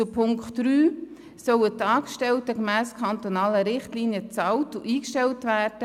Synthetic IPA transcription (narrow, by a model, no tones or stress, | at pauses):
t͡sʊpʰʊŋkχtɾyː | sœwətːɑːkʃtɛltəkmæːskʰɑntonɑːləɾɪχtliːniət͡sɑltuʔiːkʃtɛltvæːrd̥ə